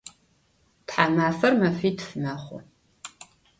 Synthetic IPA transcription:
tħamaːfɐrmɐfiːtfɨmaχʷɔ̰

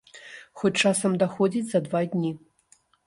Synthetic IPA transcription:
xɔt͡ʂasɐmd̪axɔd͡zʲit͡sʲzɐd̪vadʲnʲi

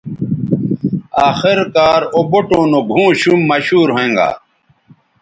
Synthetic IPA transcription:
aːxiɾkaːɾoboʈõːnoɡʱũːɕumːɐɕuːɾɦẽŋɡa̰ː

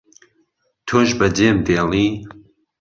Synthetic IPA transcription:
t̪ʰoːʒbɐd͡ʒeːmd̪eːliː

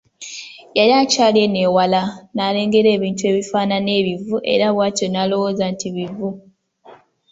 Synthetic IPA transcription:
jaɾiacaːle̞neːwalanale̞ːŋɡeɾe̞ːβiːntue̞βifaːnane̞ːβivuʔe̞̰ɾaβwaːtonalo̞woːzantiβivu

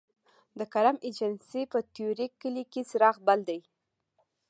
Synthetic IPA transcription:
d̪əkaɾamed͡ʒansipət̪joɾikːəlikesɾɑxbald̪aj

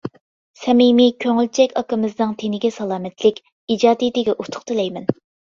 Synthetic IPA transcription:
sɛmimikʲʰøŋylt͡ʃʰɛkʲɑkɨmɨznɨŋt̪ʰenɪɡʲɛsɑlˠɑːmɛt̪lɪkʲ | id͡ʒɑːd̪id̪ɪɡʲɛʔut̪ʰʊ̥χt̪ɨlɛjmɛn

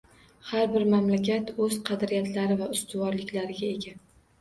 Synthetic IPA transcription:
haɾbɪɾmamlakʲat̪ɵzqʰɑd̪ɾijat̪ʰlaɾɪvaʊst̪ʊvɒɾlɪkʲlaɾɪɡʲae̞ɡʲa

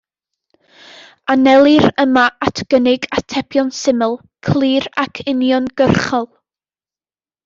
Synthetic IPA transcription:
anɛlˠɨɾəmaatʰɡ̥ənɪɡatʰɛpʰjɔnsɪməlˠ | kʰlˠiːɾakʰɪnjɔnɡ̥ərχɔlˠ

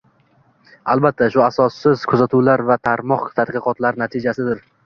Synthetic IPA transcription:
albat̪ʰːaʃʊasɒsːɪz̥kʰʊzat̪ʰuwlaɾvat̪ʰaɾmɒqt̪ʰad̪qɨqɒt̪laɾnat̪ʰɪd͡ʒasɪd̪ɪɾ

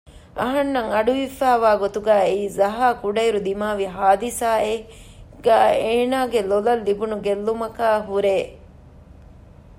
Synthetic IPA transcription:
ɐɦɐnːɐŋɐɖuʋifæːʋaːɡot̪uɡæːeiːzɐɦaːkuɖɐjɾud̪imaːʋiɦaːd̪isaːeɡ̥æːeːnaːɡelolɐlːibunuɡelːumɐkaːɦuɾeː

